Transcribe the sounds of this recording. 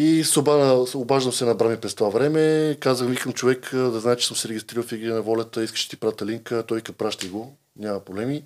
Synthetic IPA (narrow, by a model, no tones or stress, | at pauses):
isobanəobaʒd̪əmsɛnɐbɾamipɾɛst̪ovavɾɛmɛkazəxvikəmt͡ʃovɛkd̪ɐznaɛt͡ʃɛ̥sɤmsɛɾɛɡʲist̪ɾiɾəlˠfiɡiɛnɐvɔlʲɐt̪əiskə̥ʃt̪ipɾavt̪ɐliŋkət̪ɔjkɐt̪̚pɾaʃt̪əɡo | nʲamɐpɾoblɛmi